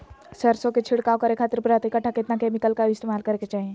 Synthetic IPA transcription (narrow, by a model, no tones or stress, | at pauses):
səɾsõket͡ʃʰɪɽkaokəɾekʰaːt̪əɾpɾat̪ekɐʈʰːakɪt̪nakeːmɪkəlkaɪst̪eːmaːlkɐɾeket͡ʃaːɦiẽ